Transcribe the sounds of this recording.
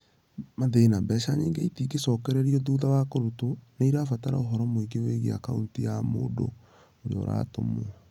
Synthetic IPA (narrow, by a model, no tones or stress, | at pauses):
maðenabɛʃaɲeːŋɡeitikesɔkɛɾɛɾiɔðuːðawakoɾotonaiɾafataɾa̰oɦɔɾɔmoiɡeweɣea̰kauntijamo̰ːdo̰ | oɾḛɔ̰ɾa̰ːto̰mɔ